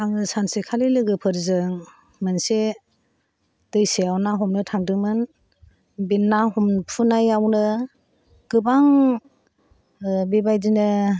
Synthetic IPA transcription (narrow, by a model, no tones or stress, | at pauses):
aŋɯsansikʰalilɯɡɯpʰɯɾzɯŋ | mɯnse | d̥ɯjseawnaɦɔmnɯtʰaŋdɯŋmɯn | binːaɦɔmpʰɯnajawnɯ | ɡ̥ɯbaŋ | bibajdinɯ